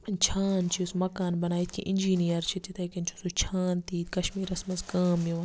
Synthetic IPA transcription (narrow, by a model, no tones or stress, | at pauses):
nt͡ʃʰaːnt͡ʃʰismɐkaːnbɐnaːit̪kʰḭ̃ʔɪnʲd͡ʒiːnijɐɾt͡ʃʰit̪it̪ɐjkɐnt͡ʃʰusut͡ʃʰaːnt̪iːkɐʃmiːɾɐsmɐzkaːmjiʋɐ